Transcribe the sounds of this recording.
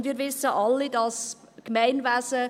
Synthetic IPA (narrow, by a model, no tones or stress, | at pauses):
ndʋiːɾʋɪsːəʔɑlːidɑs | kmæɪnvæsə